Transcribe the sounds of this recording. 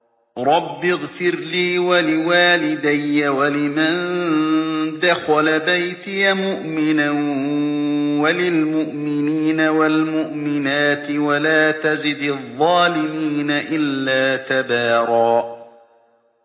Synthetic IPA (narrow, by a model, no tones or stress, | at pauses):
ɾˤɑbːɪɣfɪɾliːwalɪwaːlɪd̪ajːawalɪman | d̪axalabajt̪ɪjamʊʔmɪna | walɪlmʊʔmɪniːnawalmʊʔmɪnaːt̪ɪwalaːt̪azɪd̪ðˤːɑːlɪmiːnaʔɪlːaːt̪abaːɾˤɑː